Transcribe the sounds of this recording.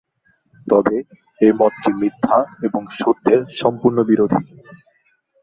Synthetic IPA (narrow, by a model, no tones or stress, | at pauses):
t̪ɔbe | emɔtːimɾit̪ʰːaeboŋʃod̪ːeɾʃɔmpuɾnobiɾod̪ʱi